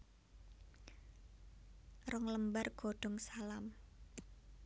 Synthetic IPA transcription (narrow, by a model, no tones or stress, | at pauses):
rɔŋləmbarɡ̥o̤ɖ̥ɔ̤ŋsalam